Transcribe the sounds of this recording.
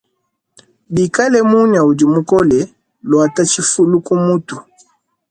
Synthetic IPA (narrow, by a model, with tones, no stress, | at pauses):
bi˨ka˦lɛ˦mu˦ɲa˨u˨d͡ʒi˨mu˦kɔ˦lɛ˨ | lwa˨ta˦t͡ʃi˦fu˦lu˦ku˦mu˦tu˨